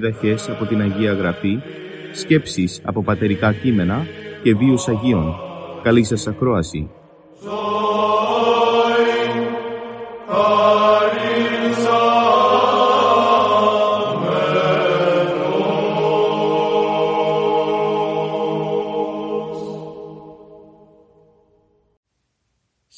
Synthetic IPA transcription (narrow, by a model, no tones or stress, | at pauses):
ðɐçe̞sɐpo̞t̪inɐʝiɐɣɾɐfi | sce̞psisɐ̰po̞pɐt̪e̞ɾikɐcime̞nɐce̞viusɐʝio̞nkɐlisɐsɐkɾo̞ɐsḭ | is